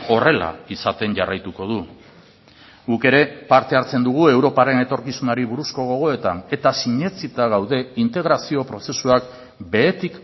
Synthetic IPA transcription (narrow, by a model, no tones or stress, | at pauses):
o̞re̞la̰isat̪e̞ɲʝarajt̪uko̞ð̞u | ɡuke̞ɾe̞paɾt̪e̞aɾt͡se̞nd̪uɣ̞ue̞wɾo̞paɾe̞ne̞t̪o̞ɾkisunaɾiβuɾusko̞ɣ̞o̞ɣ̞o̞e̞t̪ane̞t̪asiɲe̞t͡sit̪aɣawðe̞int̪e̞ɣɾasio̞pɾo̞se̞suak | be̞ːt̪ik